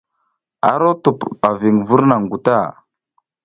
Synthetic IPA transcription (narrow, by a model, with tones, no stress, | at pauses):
a̰˨ɾo˦tu˨pa˨vi˨ŋvu˦ɾna˨ŋɡu˨ta˦˨